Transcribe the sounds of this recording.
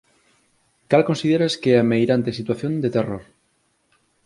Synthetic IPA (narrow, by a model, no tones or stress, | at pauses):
kalkõnsiðeɾaskeɛamejɾant̪esit̪waθjõnd̪et̪eroɾ